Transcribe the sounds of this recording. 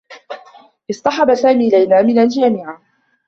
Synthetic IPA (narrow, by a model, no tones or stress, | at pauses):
ʔɪsˤt̪ˤɑħɑbasaːmiːlajnaːmɪnald͡ʒaːmɪʕa